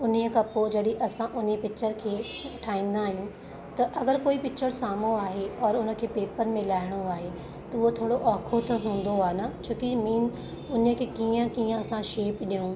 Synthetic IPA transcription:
ʊn̤iəkʰãpoːd͡ʑɐɗiʔɐsãʔʊnipɪkt͡ɕʰəɾkʰeː | ʈʰaːĩːn̆d̪aɦɪnɪ | t̪ɐʔɐɡəɾkoːipɪkt͡ɕʰəɽsaːmoaːɦeɔːɾʊnə̆kʰeːpeːpəɾmẽlaːɦɪɽ̃oaːɦe | t̪ɐʊɦot̪ʰoːɽoʔaːkʰot̪ʰɐɦũːn̆d̪oaːɦnat͡ɕʰoːkimiːn | ʊnə̆kʰeːkiːə̃kiːə̃ɐsãʃeːpɗijũː

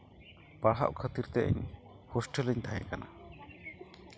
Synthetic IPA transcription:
paɽɦa̰ʔkʰət̪iɾt̪ɛʔɛ̰ɲ | hɔsʈələɲt̪ʰaɦɛ̰̃kana̰

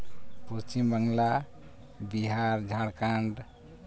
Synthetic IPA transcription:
pust͡ʃimbəŋɡla | biɦaɾd͡ʒʱaɽkãɳɖ

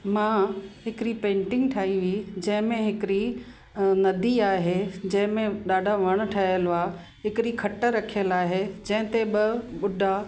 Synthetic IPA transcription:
mãːɦɪkɪɾipẽːɳʈɪ̃ŋɡʈʰaːiʋid͡ʑɐ̃ɦɪ̃mẽɦɪkɾi | nɐd̪ʱiaːɦed͡ʑɐ̃ɦɪ̃mẽɗaːɖʱaʋɐɽ̃ʊ̆ʈʰaːjəlʊaː | ɦɪkɪɾikʰɐʈəɾɐkʰijəlaːɦed͡ʑɐ̃ɦɪ̃t̪ebɪɓʊɖʱa

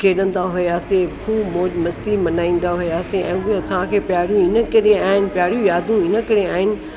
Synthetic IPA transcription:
kʰeːɗə̃n̆d̪aɦʊjaːsepʰuːmoːd͡ʑmɐst̪imɐnaːĩːn̆d̪aɦʊjaːseʔɛ̃ːɡut̪ʰʋãkʰeːpjaːɾjũɪnə̆kɐɾeaːɦɪnɪ̆pjaːɾijũjaːd̪ʱũɪnə̆kɐɾeaːɦɪnɪ̆

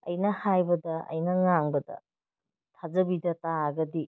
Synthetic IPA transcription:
ɐ̰jnɐhajbɐdɐʔɐ̰jnɐŋaŋbɐdɐ̰ | tʰazɐbidɐtaɡɐdi

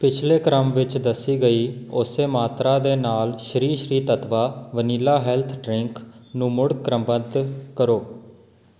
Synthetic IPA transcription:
pɪt͡ʃʰleːkɾəmʋɪt͡ʃd̪əsːiːɡəiːʊseːmaːt̪ɾaːd̪eːnaːlʃɾiːʃɾiːt̪ət̪ʋaːʋəniːlaːɦɛːlt̪ʰɖɾɪŋknũːmʊɽkɾəmbənd̪kəɾoː

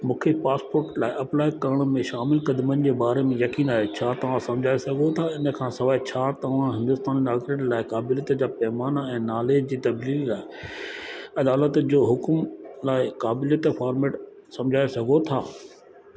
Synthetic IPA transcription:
mũːkʰepaːspoːɾʈlaːɪʔɐplaːɪkɐɾəɽ̃ə̆mẽʃaːmɪlkɐd̪mənɪ̆d͡ʑeːbaːɾemẽjɐkiːnaːɦet͡ɕʰaːt̪ɐʋ̤ãsɐ̃md͡ʑʱaːesɐɡʱot̪ʰaɪnə̆kʰãːsɐʋaːet͡ɕʰaːt̪ɐʋ̤ãɦɪ̃nd̪ʊst̪aːnnaːɡɾənlaːɪkaːbɪljət̪d͡ʑaːpɛːmaːnɛ̃ːnaːleːd͡ʑd͡ʑiːt̪ɐbliːllaːɪ | ɐd̪aːlət̪d͡ʑoːɦʊkmlaːɪkaːbɪljət̪faːɾmeːʈ | sɐ̃md͡ʑʱaːesɐɡʱot̪ʰa̰ː

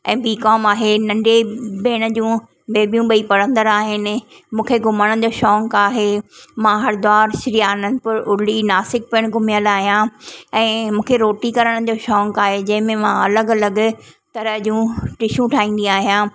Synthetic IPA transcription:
ɛ̰̃ːbiːkɔːmaːɦenɐ̃ɳɖebʱeːɽ̃̆d͡ʑũː | beːbjũɓəipɐɽə̃nd̪əɾaːɦɪnɪ̆ | mũːkʰeɡʊməɽ̃ə̃d͡ʑoːʃɔːŋkaːɦemãɦɐɾd̪aːɾʃɪɾiaːnən̆pɐɾʔʊɽɪlinaːsɪk̚piəɽ̃ɡʱʊmijəlaːɦijãɛ̃ːmũːkʰeɾoːʈikɐɾəɽ̃d͡ʑoːʃɔːŋkaːɦed͡ʑɐ̃ɦɪ̃mẽmãɐləɡɐləɡt̪ɐɾəɦd͡ʑũːʈɪʃũʈʰaːĩːn̆d̪ĩaːɦijãː

